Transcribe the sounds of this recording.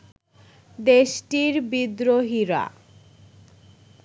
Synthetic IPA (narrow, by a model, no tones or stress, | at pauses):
d̪eʃʈiɾbid̪ɾoɦiɾa̰